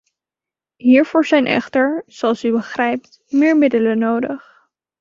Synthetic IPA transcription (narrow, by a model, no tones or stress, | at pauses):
ɦiːɹv̥ʊːɹzɛjnʔɛ̰χtəɹz̥oɑlˠsybəχrɛjp̚t | mɪːɹmɪdələnowdəχ